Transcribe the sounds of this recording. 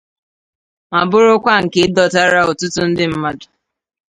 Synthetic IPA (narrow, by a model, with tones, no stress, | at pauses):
ma˨bʊ˦ɾʊ˦kʷa˦ŋ̩˨ke˦dɔ˨ta˦ɾa˦o˨tʊ˦tʊ˦n̩˦dɪ˦m̩˦ma˦dʊ̥˨